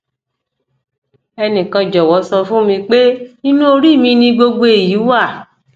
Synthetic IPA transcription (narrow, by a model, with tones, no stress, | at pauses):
ɛ˧nĩ˨kã˧d͡ʒɔ˨wɔ˨˦sɔ˧fũ˦mĩ˧k͡pe˦nĩ˦nũ˦o˧ɾi˦˨mĩ˧nĩ˧ɡ͡bo˧ɡ͡bo˧e˨ji˨˦wa˦˨